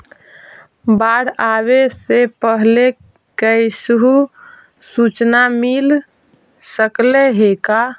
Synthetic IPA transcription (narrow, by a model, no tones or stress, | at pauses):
baɽawesepəɦle | kəjsuɦu | sut͡ʃnamil | səkleɦeka